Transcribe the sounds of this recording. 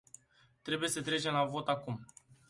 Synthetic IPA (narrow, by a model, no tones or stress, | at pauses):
t̪ɾe̞buje̞sət̪ɾe̞t͡ʃe̞mlavo̞t̪akum